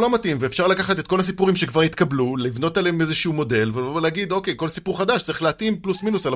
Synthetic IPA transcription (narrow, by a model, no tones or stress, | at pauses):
lo̞matimveefʃaʁlakaχat̪et̪̚ko̞lhas̬ipuʁimʃekvaʁit̪kablulivno̞t̪aleeme̞zeʃumo̞de̞lveleaɡid̪o̞ke̞jko̞lsipuʁχadaʃtt͡saʁiχleat̪implusminusal